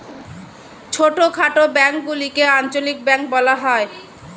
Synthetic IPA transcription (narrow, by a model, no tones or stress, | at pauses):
t͡ɕʰoʈokʰaʈobɛŋk̚ɡulikeant͡ɕolik̚bɛŋk̚bɔlaɦɔe